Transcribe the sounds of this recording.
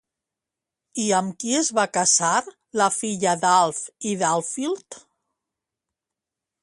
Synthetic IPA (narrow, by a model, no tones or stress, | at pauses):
iəmkiəzβakazaɾ | ləfiʎəðalˠfiðalˠfilˠt̪